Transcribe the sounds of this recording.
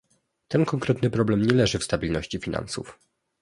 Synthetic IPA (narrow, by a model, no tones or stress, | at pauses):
t̪ɛnkɔŋkɾɛt̪nɘpɾɔblɛmɲɛlɛʐɘfst̪abʲilnɔɕt͡ɕifʲina̰nsṵf